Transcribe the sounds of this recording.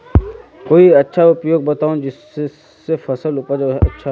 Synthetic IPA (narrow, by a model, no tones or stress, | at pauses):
koːiɐtːʃʰaʊpjoːɡ̚bɐt̪aːũd͡ʒɪs | sːefɐsəlʊpəɾd͡ʒaɦɛɐ̰tːʃʰa